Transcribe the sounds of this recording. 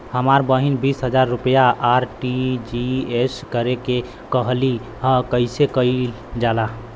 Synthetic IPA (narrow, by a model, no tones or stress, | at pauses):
həmaɾbəɦinbisɦəd͡ʒaɾːupjaʔːɾʈid͡ʒieskəɾeke | kəɦli | ɦə̃kəɪsekəi | d͡ʒala